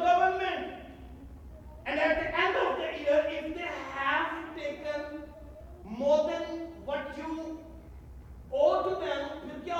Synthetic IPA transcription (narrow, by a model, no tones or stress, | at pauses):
ɡʌʋəɾnmẽɳʈ | ɛ̃ɳæʈ̚d̪iʔɛ̃ɳɖɔʋd̪əʔiəɾɪfd̪eːhæzʈeːkə̃n | moːɾd̪ɛ̃nʋɔʈjuː | oːʈud̪ɛ̃mjukjɔ